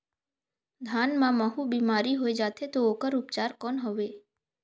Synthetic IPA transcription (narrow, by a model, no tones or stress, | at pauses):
d̪ʱaːnmãməɦubiːmaːɾiɦoːed͡ʒaːt̪ʰet̪ooːkəɾʊpt͡ʃaːɾkɔːnɦoʋeː